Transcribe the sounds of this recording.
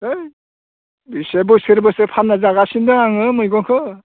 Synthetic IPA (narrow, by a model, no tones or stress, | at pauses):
ej | bisebɔseɾbɔsepʰanːazaɡasindɯŋaŋɯmɯjɡɔŋkʰɯ